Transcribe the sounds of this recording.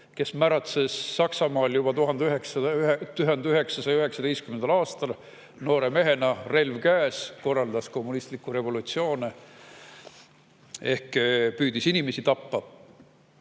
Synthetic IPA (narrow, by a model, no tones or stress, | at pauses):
ke̞smæɾɑt̪sesːɑksɑmɑːljub̥ɑt̪uɦɑnd̪yɦeksɑt̪yɦend̪yɦe̞ksɑsɑjɑyɦe̞ksɑd̪e̞jskymend̪ɑlɑːst̪ɑl | no̞ːɾe̞me̞ɦe̞nɑre̞lvkæːsko̞rːɑld̪̥ɑsko̞mːunist̪likːˑuɾe̞vo̞lut̪sio̞ːne | e̞hkpyːd̪̥isinimesit̪ɑpːɑ